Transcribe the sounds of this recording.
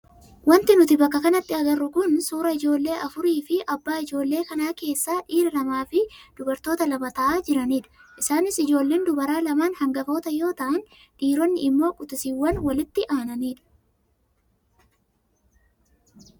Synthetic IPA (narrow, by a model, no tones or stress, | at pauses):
wɐnt̪ɪnʊt̪ɪbɐkːɐkɐnɐt̪ːɪɐɡɐrːʊkʊnsuːɾɐɪd͡ʒo̞ːlːe̞ːʔɐfʊɾiːfɪʔɐbːaːɪd͡ʒo̞ːlːe̞ːkɐnaːke̞ːsːaːᶑiːɾɐlɐmaːfɪd̪̥ʊbɐɾt̪o̞ːt̪ɐlɐmɐt̪ɐʔaːd͡ʒɪɾɐniːᶑɐ̥ʔɪsaːnɪsɪd͡ʒo̞ːlːe̞ːnd̪ʊbɐɾaːlɐmaːnhɐŋɡɐfo̞ːt̪ɐjo̞ːt̪ɐʔɐn | ᶑiːɾɔnːɪɪmːo̞ːkʼʊt̪ɪsiwːɐnwɐlɪt̪ːɪʔaːnɐniːᶑɐ̥